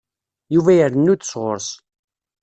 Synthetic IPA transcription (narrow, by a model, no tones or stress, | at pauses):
juvæjəɾənːud̪ə̥sʁʊ̰ɾs